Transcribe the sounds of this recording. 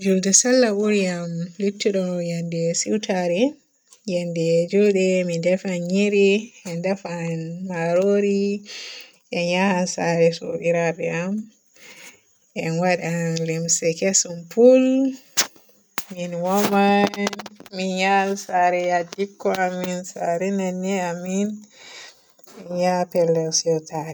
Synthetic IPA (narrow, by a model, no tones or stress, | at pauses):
d͡ʒuldɛsalːawuɾijamlitːiɗɔjandɛsiwtaɾɛ | jandɛd͡ʒulɗɛmindɛfanɲiɾiɛndɛfanmaɾoɾi | ʔɛnɲahansaɾɛso̰biɾabɛam | ɛnwaɗialɛmsɛkesumpul | minwɔmanminjalsaɾɛjadikːɔaminsaɾɛnanːɛamin | ɛjapɛlːɛwsiɔtaɾɛ